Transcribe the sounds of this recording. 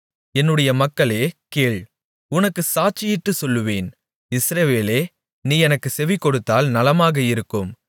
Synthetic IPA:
ɛnːɯɽɐjɐmɐkːɐɭeːkeːɭ | ʊnɐkːɯsaːt͡ʃɪjɪʈːɯsɔlːɯʋeːn | ɪsɾɐʋeːleː | niːɛnɐkːɯsɛʋɪkːɔɽɯt̪ːaːlnɐlɐmaːɣɐɪɾɯkːɯm

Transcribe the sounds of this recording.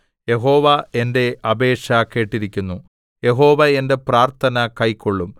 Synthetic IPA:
je̞ɦo̞ːʋɐe̞nde̞ɐbe̞ːʂɐkːe̞ːʈːiɾikʲːunːu | je̞ɦo̞ːʋɐe̞nde̞praːrt̪ʰɐnɐkɐjkːoɭːum

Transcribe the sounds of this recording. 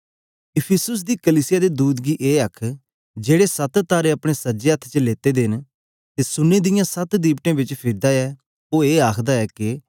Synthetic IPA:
ɪpʰɪsʊs̬d̪iːkəliːsɪjaːd̪eːd̪uːd̪ɡiːʔeːəkʰ | d͡ʒeːɽeːsət̪t̪aːɾeːəpɽ̃eːsəd͡ʒeːət̪ʰːt͡ʃəleːt̪eːd̪ɪn | t̪eːsʊnːeːd̪ɪjãsət̪d̪iːbʈẽːbɪt͡ʃpʰɪɾd̪aːɛː | oːeːaːkʰd̪aːɛːkɪ

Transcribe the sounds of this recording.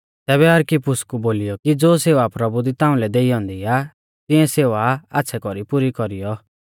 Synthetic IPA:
t̪ɛːβɛɐɾkipʊskuboːlijɔkid͡zoːseːʋapɾɐbud̪it̪ãːũlɛd̪eːijɔ̃ːnd̪ia | t̪ɪ̃ɛ̃seːʋaa̰tːsʰɛkɔɾipuɾikɔɾijɔ

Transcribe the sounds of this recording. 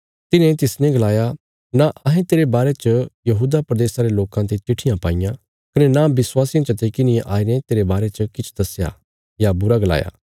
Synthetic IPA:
t̪ɪnẽt̪ɪsnɛ̃ɡɐlaːja | naʔɐɦẽt̪eːɾebaːɾet͡ʃəjɐɦuːd̪apɾɐd̪eːsaɾeloːkãt̪et͡ʃɪʈʰɪjãpaːɪjã | kɐnɛnabɪswaːsijãt͡ʃɐt̪eːkinɪẽʔaːinẽt̪eːɾebaːɾet͡ʃɐkɪt͡ʃʰd̪ɐsja̰ | jabʊɾaɡɐla̰ːja̰ː

